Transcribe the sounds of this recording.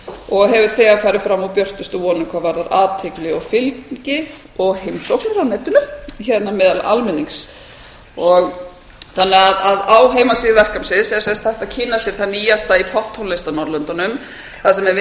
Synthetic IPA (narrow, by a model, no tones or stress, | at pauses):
ɔɣɦɛvʏ̥θɛɣafaːɾɪfɾamːawpjœr̥t̪ʏst̪ʏvɔːnʏmkʰvavaɾðaɾaːðt̪ʰɪklɪɔwfɪlccɪ | ɔɣhejmsɔwknʏɾawnɛːt̪ʏnʏçɛt̪namɪːðalʔa̰lmɪniŋs | ɔɣ | θanːɛɣaðaðawɦeːjmasiːðɪvɛr̥kamsɪðsɛsɛst̪θajht̪aðcʰɪnːasjɛɾ̥θanːiːjast̪aipʰɔht̪hɔnlɪst̪anɔɾlœnt̪anʏm | θaðsɛmɛv